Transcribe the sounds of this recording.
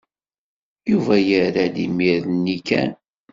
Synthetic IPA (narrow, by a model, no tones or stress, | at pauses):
juvæjəɾæd̪imiɾðnːikæ̰n